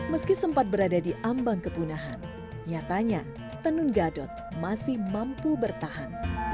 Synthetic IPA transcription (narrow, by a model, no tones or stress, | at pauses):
məskisəmpat̪̚bəɾadadiʔambaŋkəpunaɦan | ɲat̪aɲa | t̪ənʊnɡadɔt̪̚masɪhmampubərt̪aɦan